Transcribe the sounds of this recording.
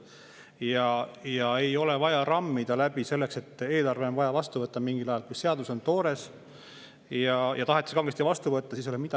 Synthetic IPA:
jɑjɑe̞jo̞le̞vɑjɑrɑmːid̪̥ɑlæbise̞lːe̞kse̞t̪ːˑe̞ːlɑrve̞o̞nvɑjɑvɑst̪uvɤt̪ːˑɑmiŋɡilɑjɑlkujse̞ɑd̪uso̞nt̪o̞ːɾe̞s | jɑjʔɑt̪ɑɦet̪ːˑi̥skɑŋɡest̪ivɑst̪uvɤt̪ːɑsiːs̬o̞lemid̪̥ɑ

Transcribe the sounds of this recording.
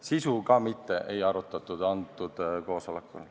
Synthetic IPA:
sisukɑmit̪ːeʔejɑɾut̪ːˑɑt̪ːˑud̪̥ɑnd̪ˑud̪̥ko̞ːso̞lekːˑṵl

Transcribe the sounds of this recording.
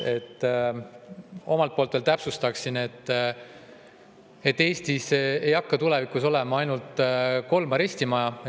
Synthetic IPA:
e̞t̪ːˑ | o̞mɑlt̪̚po̞ːlt̪velt̪æpsust̪ɑksine̞t̪ːˑ | e̞t̪ːe̞ːst̪isejɑkːɑt̪ule̞vikːˑuso̞lemɑɑjnult̪ˑko̞lmɑɾe̞sʲt̪imɑjɑ

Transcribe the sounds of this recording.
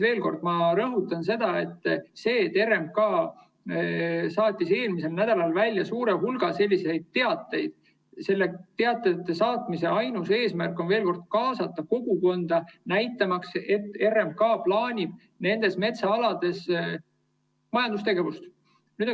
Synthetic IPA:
ve̞ːlko̞rd̪̥mɑɾɤɦut̪ːˑɑns̬e̞d̪̥ɑe̞t̪ːse̞ːt̪ːe̞remkɑː | sɑːt̪ʲːˑise̞ːlmise̞lnæd̪̥ɑlɑlvælʲːjɑsuːɾe̞ɦulɡ̥ɑse̞lʲːise̞jd̪̥̚t̪ːe̞ɑt̪ːˑe̞jd̪̥ | se̞lːe̞t̪e̞ɑt̪ːˑejɑt̪ˑːe̞sɑːt̪mise̞ɑjnuse̞ːsmærkːˑo̞nve̞ːlko̞rd̪̥kɑːsɑt̪ˑːɑko̞ɡ̥uko̞nd̪̥ɑnæjt̪ːˑɑmɑkse̞t̪ːˑe̞rːemkɑːplɑːnʲib̥̚ | ne̞nd̪̥e̞sme̞t̪sɑɑlɑd̪̥e̞s | mɑjɑnd̪̥ust̪e̞ɡe̞vust̪ | nyːd̪

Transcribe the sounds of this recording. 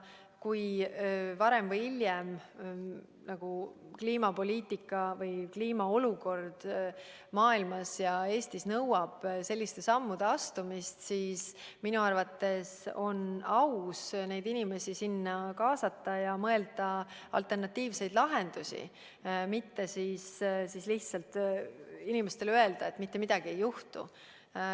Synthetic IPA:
kuj | vɑɾe̞mvɤjilʲjem | nɑɡ̥ukliːmɑpo̞lʲiːt̪ːˑikːˑɑvɤjkliːmɑo̞luko̞rd̪̥ | mɑːilmɑsjɑe̞ːst̪isnɤwɑb̥se̞lʲːist̪e̞sɑmːud̪̥e̞ɑst̪umist̪siːsminuɑrvɑt̪ːe̞so̞nɑwsne̞jd̪inime̞sisinːɑkɑːsɑt̪ːɑjɑmɤe̞ld̪̥ɑɑ̰lt̪ˑːe̞rnɑt̪ːiːvse̞jd̪̥lɑɦe̞nd̪̥usḭ | mit̪ːe̞siːssisliht̪sɑlt̪ | inime̞st̪e̞løe̞ld̪ɑet̪ːˑmit̪ːemid̪̥ɑɡ̥ie̞jːuht̪ṵ

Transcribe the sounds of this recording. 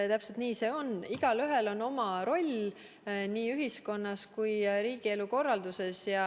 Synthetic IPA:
t̪æpse̞lt̪niːse̞ːo̞niɡ̥ɑlyɦe̞lo̞no̞mɑɾo̞lʲ | niːyɦisko̞nːɑskujɾiːɡ̥ie̞luko̞rːɑld̪̥use̞sjɑ

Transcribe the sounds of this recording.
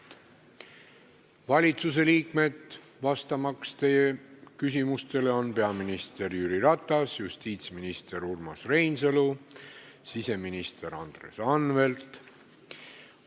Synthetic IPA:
vɑlʲit̪sus̬e̞liːkme̞d̪ | vɑst̪ɑmɑkst̪e̞jekys̬ʲimust̪e̞le̞o̞npe̞ɑminist̪e̞rjyːɾiɾɑt̪ˑːɑsjust̪iːt̪sminist̪e̞ɾurmɑsre̞jnsɤlu | sise̞minist̪e̞ɾɑnd̪̥re̞sɑnve̞lt̪

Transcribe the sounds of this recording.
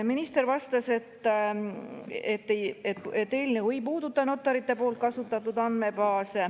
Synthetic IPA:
minist̪e̞ɾvɑst̪ɑse̞t̪ːˑ | et̪ːeet̪et̪ːe̞ːlʲinekuejpuːd̪ut̪ːˑɑno̞t̪ːˑɑɾit̪ːˑe̞po̞ːlt̪̚kɑsut̪ːˑɑt̪ːud̪ɑnd̪me̞bɑːse

